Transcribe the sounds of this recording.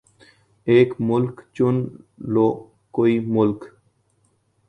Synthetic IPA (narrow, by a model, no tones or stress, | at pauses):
eːkmʊlkt͡ɕunlo | koimʊlk